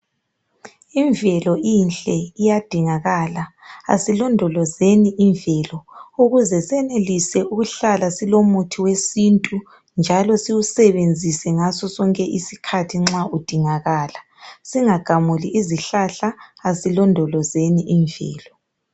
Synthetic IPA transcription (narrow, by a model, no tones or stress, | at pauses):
iɱvʱɛlɔʔinɬʼɛijad̥ʱiŋaɣaːlaa̰silɔndʱɔlɔzeniʔiɱvʱɛlɔuɣuzɛsɛnelisɛuɣuɬalasilomutʰiwesintʼu | nd͡ʒʱalɔsiwusɛβend͡zʱisɛŋasɔsɔŋkʼɛʔisikʰatʰiŋ͡ǁaʔud̥ʱiŋaɣaːla | siŋaɡ̥ʱamuliʔiziɬaɬaːsilɔndʱɔlɔzeniʔiɱvʱɛ̰ːlɔ